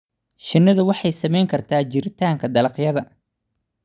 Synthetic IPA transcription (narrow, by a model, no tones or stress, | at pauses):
ʃɪnːɐðʊwɑħɑjsɐmɛjŋkʰɐrt̪ʰaːt͡ʃɪɾɪt̪ʰaːŋkʰɐd̪ɐlɐqjɐðɐ